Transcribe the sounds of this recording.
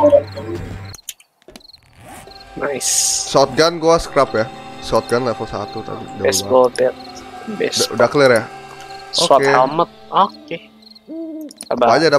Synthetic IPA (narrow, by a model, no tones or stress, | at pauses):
najssɔt̪̚ɡanɡuasə̥kɾapjasot̪̚ɡanlafɔsa̰t̪ut̪a̰bḭdaɛsabɔlt̪ɛt̪̚bɛsdudakələrja | soat̪eamət̪̚oke | aabapaad͡ʒada